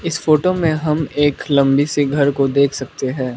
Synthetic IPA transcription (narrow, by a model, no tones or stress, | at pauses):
ɪsfoːʈomẽɦɐmeːklɐ̃mbiseɡʱɐɾkod̪eːkʰsɐk̚t̪eɦɛ̃ː